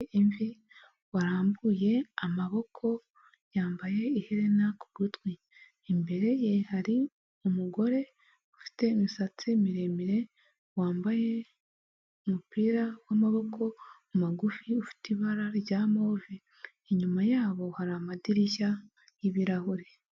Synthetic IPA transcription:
iɱvi | waɾaːmbuje̞amaβo̞kʰo̞ | jaːmbaje̞iheɾe̞naku̥ɡutwiː | mbe̞ɾe̞jehaɾi | umuɡo̞ɾe̞ | ufi̥te̞misat͡simiɾe̞miɾe̞ | waːmbaje̞ | umupiːɾawamaβo̞kʰo̞ | umaɡufiufi̥tiβaɾaɾjɟaːmoviː | ɲumajaːβo̞haɾamadiɾiʃa | jiβiɾahuɾe

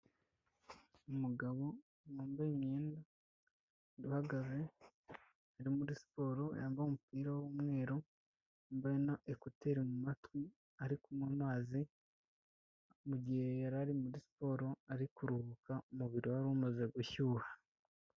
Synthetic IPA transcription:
umuɡaβo̞ | noːmbamɲeːnda | ɾihaɡaze̞ | aɾimuɾisi̥po̞ːɾo̞jaːmbaumupiːɾawomŋe̞ːɾo | mbaenaʔekuteɾimumatwi | aɾikumwonwaːzi | muɟihe̞jaɾaɾimuɾisi̥po̞ɾo̞aɾikuɾuhukaumuβiɾiwaɾuːmazeɡuçuːha

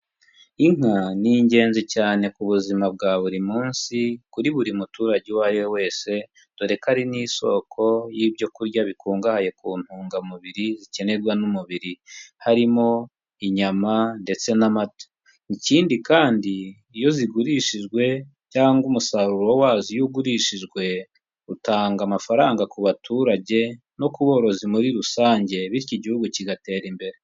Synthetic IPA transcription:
iŋ̥aniɲɟe̞ːnzicaːne̞kuβuzimab̚ɡaːβuɾimuːnsikuɾiβuɾimutuːɾaɟewajo̞we̞ːse̞ | tuɾe̞kaɾiniːso̞̰kʰo̞jiːbɟo̞kuɾɟaβikuːŋɡahaje̞kuːn̥huːŋɡamuβiɾizice̞ne̞ɾɡwanumuβiɾihaɾimo̞ | iɲamande̞t͡se̞namatḁ | niciːndikaːndiː | jo̞ziɡuɾiʃiʒɡwe̞ | caːŋɡumusaɾuɾo̞waːzijuɡuɾiʃiʒɡwe̞ | utaːŋɡamafaɾaːŋɡakuβatuːɾaɟe̞ | no̞kuβo̞ːɾo̞zimuɾiɾusaːɲɟe̞βiɾciɟihuɡuciɡate̞ːɾimbe̞ɾe

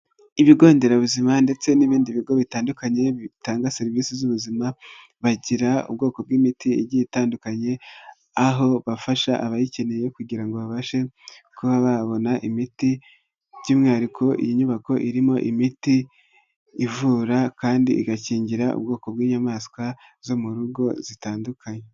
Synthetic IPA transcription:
iβiɡo̞ːnde̞ɾaβuzimande̞t͡se̞niβiːndiβiɡo̞βitaːndukaɲe̞βitaːŋɡase̞ɾiviːsizuβuzima | βaɟiɾaṵbɡo̞ːko̞b̚ɡiːmitiḛɟitaːndukaɲe̞ | aɦo̞βafaʃaʔaβajice̞neje̞kuɟiɾaŋɡo̞βaβaʃe̞kuβaβaβo̞naʔimiti | ɟimɲaːɾikʰo̞ʔḭjiɲuβako̞ʔiɾimo̞ʔimitiː | vuɾakaːndiʔḭɡaciːɲɟiɾaṵb̚ɡo̞ːko̞bɡiːɲamaːskwa | zo̞muɾuɡo̞zitaːndukʰaɲe

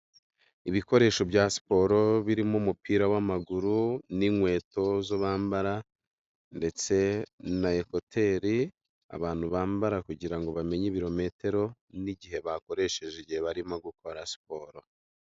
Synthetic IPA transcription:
iβiko̞ɾe̞ːʃo̞bjaːsi̥po̞ɾo̞βiɾimoumupiːɾawamaɡuɾuniŋwe̞ːto̞zoβaːmbaɾa | nde̞t͡se̞naeko̞tʰe̞ːɾi | a̰βaːn̥huβaːmbaɾakuɟiɾaŋɡo̞βame̞ɲiβiɾo̞me̞te̞ɾo̞niɟiɦe̞βako̞ɾe̞ʃeʒeɟieβaɾimoɡuko̞ɾasi̥po̞ːɾo̞

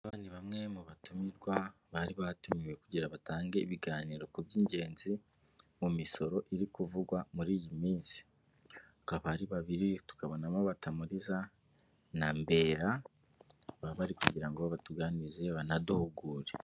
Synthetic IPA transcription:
aβaːndiβamŋe̞muβatumiɾɡwa | βaɾiβaatumiwekuɟiɾaβataːŋɡe̞iβiɡaːniːɾo̞kubjiːɲɟe̞ːnzi | mumiso̞ɾo̞ʔiɾikuvuɡwamuɾiːjimiːnsi̥ | hakaβahaɾiβaβiɾitu̥kaβo̞namoβatamuɾiza | nambe̞ːɾa | βaβaɾikuɟiɾaŋɡoβatuɡanize̞βanaduhuɡuːɾe

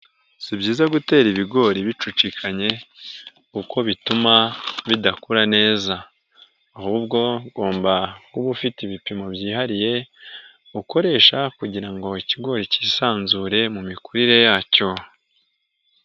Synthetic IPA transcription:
sibɟiːzaɡute̞ːɾiβiɡo̞ːɾiβit͡ʃut͡ʃikʰaɲe̞ | uko̞βitumaβidakuɾane̞ːzaː | huːb̚ɡo̞ɡo̞ːmbakuβufitiβipimo̞bɟiːɦaɾije̞ | uko̞ɾe̞ːʃakuɟiɾaŋɡo̞iciɡo̞ːɾici̥ːsaːnzuɾe̞mumikuɾiɾe̞jaːco̞

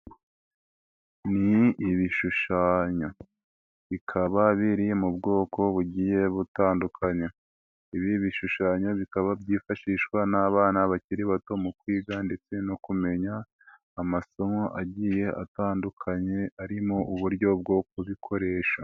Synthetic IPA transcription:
niːβiʃuʃaːɲo̞ | βikʰaβaβiɾimubɡo̞ːko̞βuɟiːje̞βutaːndukʰaɲe | iβiβiʃuʃaːɲo̞βikaβabɟiːfaʃiʃkwanaːβaːnaβaciɾiβato̞mukwiːɡande̞t͡se̞no̞kume̞ɲaː | maso̞moʔaɟiːje̞ʔa̰taːndukʰaɲe̞aɾimo̞ʔuβuɾɟo̞b̚ɡo̞k̚uβikʰo̞ɾe̞ːʃa

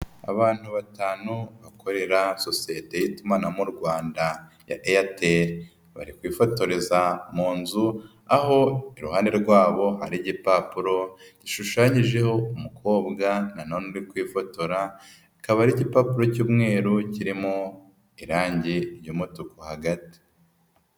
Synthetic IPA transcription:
a̰βaːn̥huβataːnuβako̞ɾe̞ɾaso̞sijete̞jitumanamuɾɡwaːnda | ja̰ʔejateɾ | βa̰ɾikwiːfo̞to̞ɾezamuːnzu | aho̞iɾuhaːne̞ɾɡwaːβo̞haɾiɟipapuɾo̞ɟ̥iʃuʃaːɲiʒe̞ho̞umukʰo̞ːbɡananonuɾikwiːfo̞to̞ɾa | ikaβaɾiɟipapuɾo̞cuːmŋe̞ːɾuciɾimo | iɾaːɲɟeɾjuːmotukohaɡati̥

